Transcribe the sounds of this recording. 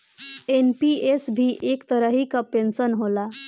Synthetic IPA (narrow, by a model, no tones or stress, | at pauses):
enpiesbʱiʔekt̪əɾəɦikapensənɦola